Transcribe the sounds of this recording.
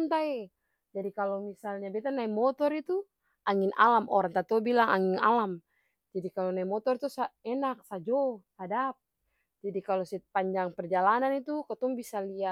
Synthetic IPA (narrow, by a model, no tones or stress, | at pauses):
nt̪aɛ | d͡ʒadikalomisalɲabɛt̪anaimɔt̪ɔɾit̪u | aŋina̰lamʔɔɾaŋt̪at̪ɔbilaŋa̰ŋina̰lam | d͡ʒadikalonaimɔt̪ɔrt̪usaɛnak̚sad͡ʒɔhadap̚ | d͡ʒadikalɔsɛpaɲd͡ʒaŋpɛrd͡ʒalananit̪ukɔt̪ɔŋbisalia